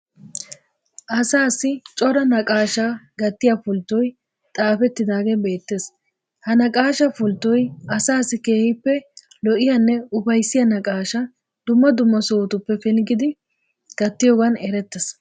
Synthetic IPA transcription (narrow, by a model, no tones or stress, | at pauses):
ʔɐsaːsɪt͡ʃʼɔɾɐnɐkʼaːʃaːɡɐt̪ːɪjafʊlt̪ːɔj | t̪ʼaːfɛt̪ːɪd̪aːɡebe̞ːt̪ːe̞ːs | hɐnɐkʼaːʃɐfʊlt̪ːɔjɐsaːsːɪke̞ːhɪpːɛ | lɔʔɪjɐnːɛʊbɐjsːɪjɐnɐkʼaːʃɐ | d̪̥ʊmːɐd̪ʊmːɐsoːt̪ʊpːɛfɪlɡɪd̪ɪ | ɡ̥ɐt̪ːɪjoːɡɐnɛɾɛt̪ːɛs